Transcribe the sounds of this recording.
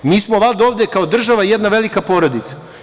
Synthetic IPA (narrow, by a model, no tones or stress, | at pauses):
miːsmolad̪o̞ːʋd̪ekao̞d̪r̩ʒaʋajed̪naʋe̞likapo̞ːɾo̞d̪it̪sḁ